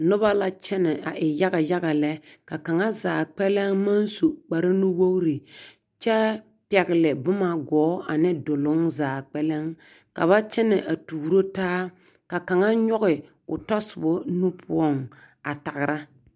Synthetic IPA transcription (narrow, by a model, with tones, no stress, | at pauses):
nʊ˦ba˦la˦t͡ʃɛ˦nɪ˨ʔa˨ʔɪ˨ja˦ɡa˨ja˦ɣa˨lɛ˦ka˨ka˨ŋa˦zaː˨k͡pɛ˦lɛ˦ŋma˦nsu˨k͡pa˨ɾɪ˦nʊ˦wo˦ɣɾi˨ | t͡ʃɛ˦ | pɛ˨ɣɪ˨lɪ˨bʊ˦ma˨ɡɔː˨˦a˨nɪ˦dʊ˨lʊ˦ŋzaː˨k͡pɛ˦lɛ˦ŋ | ka̰˨βa˦t͡ʃɛ˦nɪ˨ʔa˨tuː˨ɾo˦taː˦ | ka˨ka˨ŋa˦ɲɔ˦ɣɪ˨ | ʊ̰˨tɔ˦sʊ˨bʊ˦nu˦pʰʊ̰˦ɔ˦˨ŋ | a˨ta˨ɣɪ˨ɾa˦